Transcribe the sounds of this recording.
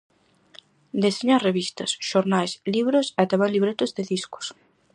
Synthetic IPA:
d̪eseɲareβist̪ɐsʃoɾnajsliβɾʊsat̪aβaɾliβɾet̪ʊzðeðiskʊ̥s

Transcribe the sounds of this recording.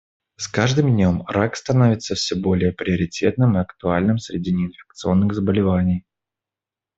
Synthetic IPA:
skaʐd̪ɨmdʲnʲo̞mrakst̪ɐno̞vʲɪt̪sːəfsʲɵbo̞lʲɪjəpɾʲɪəɾʲɪtʲʰe̞t̪nɨmɨɐkt̪ʊalʲnɨmsɾʲɪdʲinʲɪɪnfʲɪ̥k̚t̪sɨo̞nːɨɣzəbəlʲɪvanʲɪj

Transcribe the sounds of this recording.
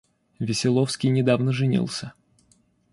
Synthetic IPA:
vʲɪsʲɪlˠofskʲijnʲɪd̪avnəʐɨnʲḭlˠsʲə

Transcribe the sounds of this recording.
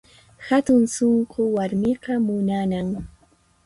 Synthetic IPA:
hat̪ʊnsoɴqʊwaɾmɪqɑmʊnanaŋ

